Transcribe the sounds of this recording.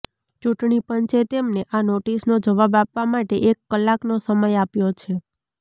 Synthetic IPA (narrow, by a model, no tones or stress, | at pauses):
t͡ʃuʈɳipənt͡ʃet̪emneʔanoʈisnod͡ʒəʋabapʋamaʈeʔekːəlːaknosəməjapjot͡ʃʰe